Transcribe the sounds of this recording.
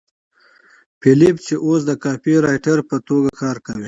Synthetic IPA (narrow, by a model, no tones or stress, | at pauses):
pʰilipt͡ʃeʔosd̪əkɑpiɾɑjʈaɾpət̪oɡakɑːɾkawi